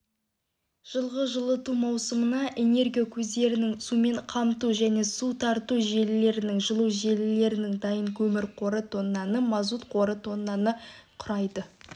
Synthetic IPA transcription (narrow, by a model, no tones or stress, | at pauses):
ʒ̥əlˠʁəʒəlˠət̪umɑwsəmənɑʔe̞ne̞ɾɡʲijakʲʰɵzd̪e̞ɾɪnɪŋsume̞ɴqʰɑmt̪uʒæne̞sut̪ʰɑɾt̪uʒe̞lɪle̞ɾɪnɪŋʒəlˠuʒe̞lɪle̞ɾɪnɪŋd̪ɑjəŋkʲʰɵmɪɾqʰo̞ɾət̪ʰo̞nːɑnəmɑzut̪qʰo̞ɾət̪ʰo̞nːɑnəqʰʊɾɑjd̪ə